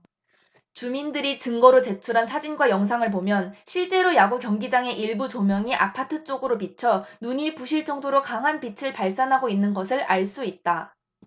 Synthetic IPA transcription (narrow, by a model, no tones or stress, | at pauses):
t͡ɕumindɯɾit͡ɕɯŋɡʌɾot͡ɕe̞t͡ɕʰuɾɦansʰad͡ʑinɡwajʌŋs̬ʰaŋɯɭp̬omjʌnɕʰiɭt͡ɕ͈e̞ɾojaɡukjʌŋɡid͡ʑaŋe̞ʔiɭbut͡ɕomjʌŋiʔapʰatʰɯt͡ɕ͈oɡɯɾopit͡ɕʰʌnuɲiɭpuɕʰiɭt͡ɕ͈ʌŋdoɾokaŋɦanpit͡ɕʰɯɭpaɭs͈anɦaɡoinːɯnɡʌsʰɯɭʔaɭs͈uit̚t͈a